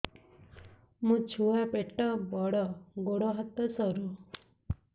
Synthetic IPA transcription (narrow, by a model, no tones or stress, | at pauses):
mũt͡ʃʰuapeʈɔbɔɽɔɡoɽɔɦat̪ːɔsɔɾu